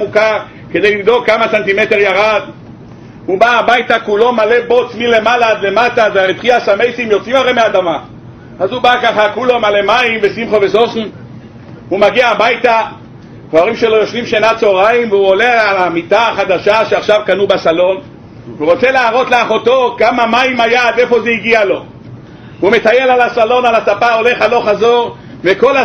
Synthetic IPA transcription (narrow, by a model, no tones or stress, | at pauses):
muka | ke̞d̪ejlimd̪o̞kːamasant̪ime̞t̪eʁjaʁad̪ | hubaːbajt̪akulo̞male̞bot͡smile̞malad̪le̞mataveaʁetχiasame̞jsimjo̞t͡simaʁejmead̪ama | azubakaχakulo̞male̞maimvesimχo̞vesosn | humaɡiaːbajt̪a | toaʁimʃelo̞joʃvimʃenat͡so̞ʁaimveuolealamit̪aχad̪aʃaʃeaχʃavkanubasalo̞n | vuʁot͡se̞leaʁo̞t̪laaχot̪okamamaimajad̪efo̞zeiɡialo̞ | ume̞t̪ajelalasalo̞nalasapao̞leχalo̞χazo̞ʁ | veko̞la